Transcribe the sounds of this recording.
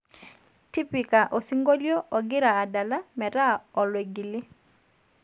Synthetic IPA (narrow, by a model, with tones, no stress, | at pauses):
ti˦pi˨ka˨ʔo˨si˦ŋɡo˦ljo˦ʔɔ˨ɡɪ˦ɾaː˨da˨la˦mɛ˨ɾa˦ɔ˨lwe˨ɡi˨lɪ˦